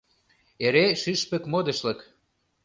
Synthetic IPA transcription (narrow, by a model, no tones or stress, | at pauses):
eɾeʃyʃpə̆kmod̪ə̆ʃlə̆k